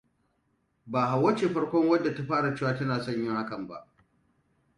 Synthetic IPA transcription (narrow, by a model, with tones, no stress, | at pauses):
baː˨ɦa˨wːɐ˦t͡ʃeː˨ɸɐ˦ɽkʷɔ˦ŋwɐ˦dːa˨ta˦ɸaː˦ɽa˨t͡ʃeː˦waː˦˨tɐ˦naː˨sɐ˦˨ɲjʊ˦ŋha˦kɐ˨mba̰˦ʔ